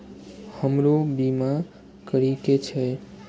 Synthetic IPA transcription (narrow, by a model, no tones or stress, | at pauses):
həmɾobima | kəɾiket͡ʃʰe